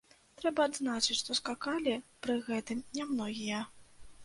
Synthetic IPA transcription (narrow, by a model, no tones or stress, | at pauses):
t̪ɾɛbɐːd̪znat͡ʂɨt͡sʲʂt̪ɔskakalʲipɾɨɣɛt̪ɨmnʲɛmnɔɣʲijɐ